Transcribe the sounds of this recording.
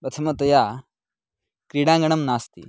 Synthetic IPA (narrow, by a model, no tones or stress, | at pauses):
bɐt̪ʰɐmɐt̪ɐjaː | kɾiːɽãːŋɡɐɳ̃ɐmnaːst̪ḭ